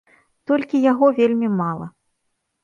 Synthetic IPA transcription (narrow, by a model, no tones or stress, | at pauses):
t̪ɔlʲkʲijaɣɔvʲelʲmʲimalˠɐ̰